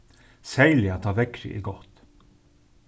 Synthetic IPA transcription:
sæɪlɪɑt̪ʰɑːʋɛkɾɪ̰ʔḭɡɔt̪

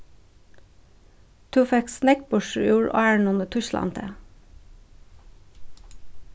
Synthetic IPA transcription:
t̪ʰʉːfɛksnɛk̚bʊʃjuːɹʔɑæɳʊnət̪ʰʉʃlɑ̰nt̪ʰḛː

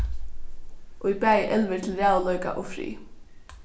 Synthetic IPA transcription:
ʔɔipæːjʔɛlʋɪɾt̪ʰɪlɾaːðalœɥka̰ʔɔfɾḭː

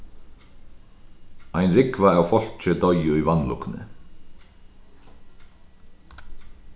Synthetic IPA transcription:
ajnɾɪkvaawfɔl̥t͡ɕɪt̪ɔjʏivanːlṵknɪ̰

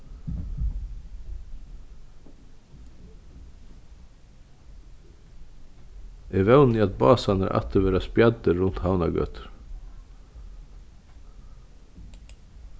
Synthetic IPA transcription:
ʔɛʋɛwniːɑt̪̚bɑːsɑnə̰ɾʔɑ̰t̪əʋeːɾaspjɑd̪əɾʊn̥t̪haʊnɑɡœ̰ːt̪ɾ

